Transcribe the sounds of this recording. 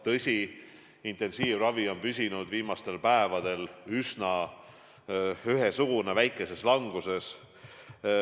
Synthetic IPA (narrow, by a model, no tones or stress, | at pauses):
t̪ɤsʲi | int̪e̞nsiːvrɑvio̞npysʲinud̪viːmɑst̪e̞lpæevɑd̪̥e̞lysnɑ | yɦesuɡ̥une̞væjkːˑe̞se̞slɑŋɡ̥use̞s